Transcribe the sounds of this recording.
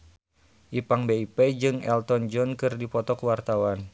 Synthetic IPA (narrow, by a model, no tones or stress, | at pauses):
ʔipaŋbeiped͡ʒɨŋɛ̰lt̪ɔnd͡ʒɔnkɨrdipɔt̪ɔkuwart̪awan